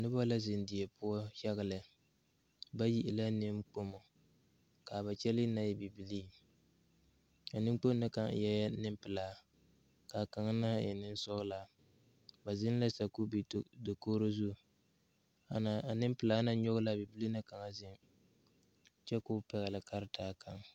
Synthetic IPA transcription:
nɨ˦ba˦la˦zɪ˨n˦dɪ˨ɛ˨pʊ˦ɔ˦ha˦ɣa˦˨lɨ˨ | ba˦ji˦ʔɪ˨la˦nɪ˦mk͡po˦mo˨ | ka˨ba˨t͡ʃɛ˦lɪ˦na˦jɛ˦bi˨bi˨li˦ | ka˨nɪ˦m˦k͡po˦m˦nɨ˦ka˨ŋ̰˨jɛ˦ja˦nɨ˦mpɨ˨laː˨˦ | ka˨ka˨ŋa˦na˦jɪ̰˨nɪ˦n˦sɔ˦ɣʊ˦la˨ | ba˨zɪ˦n˦la˦sa˨ku˦bdo˨koː˦ɾo˦zu˦˨ | a˨na˨nɪ˦mpɨ˨laː˦na˦ɲɔ˦ɣʊ˦la˦bi˨bi˦li˦na˦ka˨ŋa˦zɪ˦n | t͡ʃɛ˦kʊ˦pɛ˨ɣa˨lɪ˨ka˦ɾɪ˦taː˦˨kʰa˨ŋ

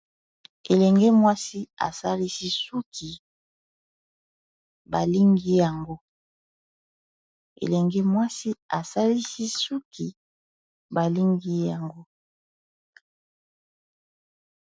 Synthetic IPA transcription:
e˨lɛ˨ŋɡe˦mwa˦si˦a̰˨sa˦li˦si˦su˦kʰi˨ | ba˨li˦ŋɡi˦ja˨ŋɡo˦ | ḛ˨lɛ˨ŋɡɛ˦mwa˦si˦a˨sa˦li˦si˦su˦kʰi˨ | ba˨li˦ŋɡi˦ja˨ŋɡo˦

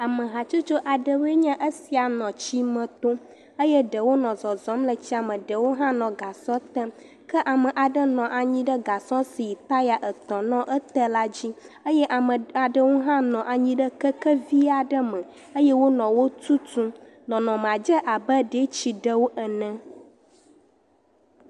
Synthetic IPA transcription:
a˨mə˨ɦa˨t͡ʃu˦t͡ʃo˦ʔa˨ɖə˨we˦ɲã˦ʔə˦si˨a˨nɔ̃˨t͡ɕi˦mə̃˨t̪o˦ | ə˦jɛ˦ɖə˨wo˦nɔ̃˨zɔ˨zɔ̃˨˦mlə˨t͡ɕi˦a˨mə̃˨ɖə˨wo˦ɦã˦nɔ̃˨ɡa˨sɔ̃˦t̪ə̃˦ | kə˦ʔa˨mə̃˨ʔa˨ɖə˦nɔ̃˨ʔa˨ɲĩ˦ɖə˦ɡa˨sɔ̃˦si˨ji˨t̪a˦li˦a˨ʔə˨t̪ɔ̃˨nɔ̃˦ʔə˦t̪ə˦la˦d͡ʑi˦ə˦jɛ˦ʔa˨mə˨a˨ɖə˦wo˦ɦã˦nɔ̃˨ʔa˨ɲĩ˦ɖə˦kə˦kə˦vi˦a˨ɖə˦mə̃˨ | ə˦jɛ˦wo˦nɔ̃˨wo˦t̪u˦tũ˦ | nɔ̃˨nɔ̃˨m˨a˨d͡ʒə˦ʔa˨bə˦ɖe˦t͡ɕi˨ɖə˦wo˦ʔə˨nɛ̃˦

